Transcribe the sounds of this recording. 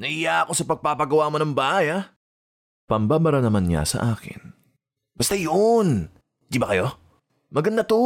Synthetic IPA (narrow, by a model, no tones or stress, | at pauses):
nɐʔɪjaɐko̞sɐpɐɡ̚papɐɡɐwaːmonɐŋbaːʔaja | pɐmbaːbɐɾanɐmanɲa̰sɐ̰ʔaːkɪ̰n | bɐst̪ajon | d̪ibɐkɐjo̞ | mɐɡɐnd̪at̪u